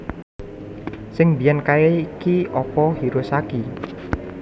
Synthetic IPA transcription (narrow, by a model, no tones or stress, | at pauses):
sɪŋbijankaeikiɔpɔhiɾʊsaki